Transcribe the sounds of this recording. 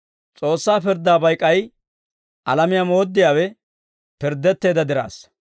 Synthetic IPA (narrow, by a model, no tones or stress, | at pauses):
t͡sʼo̞ːsːaːpɪɾd̪aːbɐjkʼːɐj | ʔɐlɐmɪjamo̞ːd̪ːɪjaːwɛ | pɪɾd̪ːɛt̪ːe̞ːd̪ɐd̪ɪɾa̰ːs